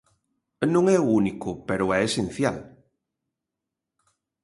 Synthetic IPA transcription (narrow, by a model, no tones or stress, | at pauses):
nõŋɛuunikʊpeɾʊɛesen̟θja̰l